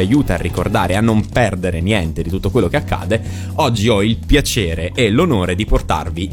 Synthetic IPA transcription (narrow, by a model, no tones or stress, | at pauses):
ajuːt̪a̰ːrːiko̰rd̪a̰ːɾeanːompɛrd̪eɾenjɛnt̪ed̪it̪ut̪ːokwelːokeakʰːa̰ːd̪e | ɔd͡ʒːiɔilpjat͡ʃeːɾeʔːlonoːɾed̪iport̪a̰rvi